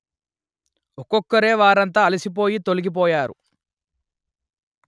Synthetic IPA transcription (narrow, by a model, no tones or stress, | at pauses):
ɔkɔkːɐɾe̞ːʋaːɾɐnt̪̬aːlisip̬o̞ːjit̪o̞liɡip̬ɔːjaːɾṵ